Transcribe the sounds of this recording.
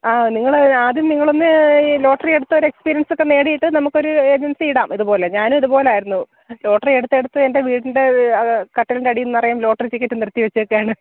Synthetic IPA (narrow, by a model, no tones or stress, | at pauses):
aːniŋːɐɭaːðjumniŋːɐɭonːɨlo̞ːʈɐrije̞ɽut̪ːɐo̞ɾekspiːɾijɐnsokːe̞ne̞ːɽijiʈːɨnɐmukːo̞ɾued͡ʑensiːɽaːmiðupo̞ːle̞ɲaːnumiðupo̞ːleaːjiɾunːu | lo̞ːʈːɐrieɽut̪ːeɽut̪ːɨende̞ʋiːɽinde̞kɐʈːilindeɐɽijunːɨɐrɐjaːmlo̞ːʈɐrit͡ɕikʲːitːɨniɾɐt̪ːiʋɐt͡ɕːuokːejaːɳɨ